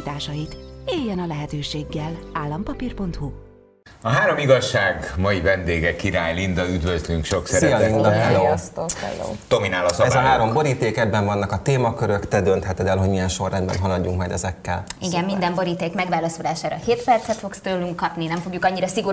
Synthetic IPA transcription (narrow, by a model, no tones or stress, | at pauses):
t̪aːʃɒjit̪eːjːɛnɒlɛɦɛt̪øːʃeːɡːɛlaːlːɒmpɒpirpo̞nt̪hu | ɒɦaːɾo̞miɡɒʃːaːɡmɒjivɛnd̪eːɡɛkːiɾaːjlind̪ɒyd̪vøzlyŋkʃo̞ksɛɾɛjɒlinɒkɛlost̪oːɛ̰lo̰ːd̪ominaːlɒsɛzɒɦaːɾo̞mbo̞ɾiːt̪eːkɛbːɛɱvɒnːɒkɒt̪eːmɒkøɾø̞kt̪ɛd̪ønt̪hɛt̪ɛd̪ɛlɦo̞ɟmijɛnʃo̞rːɛnbɛ̰nɦɒlɒɟːuŋkmɒjd̪ɛzɛkːɛliɡɛmːind̪ɛmbo̞ɾiːt̪eːkmɛɡʋaːlɒsulaːʃaːɾɒheːt̪pɛrt̪sɛt̪fo̞kst̪øːlyŋkkːɒpninɛɱfo̞ɡjukɒɲːiɾɒsiɡo